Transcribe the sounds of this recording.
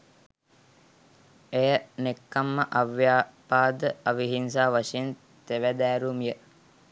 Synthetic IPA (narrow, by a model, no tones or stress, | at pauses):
ejənekːamːəʔaʋjaːpaːd̪əɐʋiɦinsaːʋasen | t̪eʋæd̪æːɾumijə